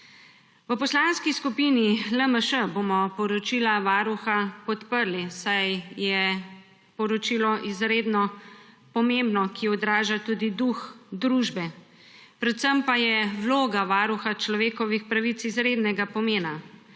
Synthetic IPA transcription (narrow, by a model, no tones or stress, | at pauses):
ʋəpɔslaːnskiskupiniləməʃəbomɔpɔɾɔt͡ʃiːlaʋaːɾuxapɔt̪pəɾlisajjɛ | pɔɾɔt͡ʃiːlɔʔizɾeːd̪nɔ | pɔmembnɔkʰiɔd̪ɾaːʒat̪ud̪id̪uxd̪ɾuʒbɛ | pɾɛt̪səmpajɛwloːɡaʋaːɾuxat͡ʃlɔʋeːkɔʋixpɾaʋit̪sizɾeːd̪nɛɡapɔmeːna